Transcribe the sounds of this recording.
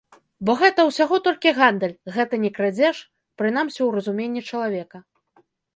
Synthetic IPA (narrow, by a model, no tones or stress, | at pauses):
bɔɣɛt̪ɐwsʲaɣɔt̪ɔlʲkʲiɣand̪əlʲɣɛt̪ɐnʲɛkɾad͡zʲɛʂ | pɾɨnamsʲiwrɐzumʲenʲːit͡ʂɐlˠavʲɛkɐ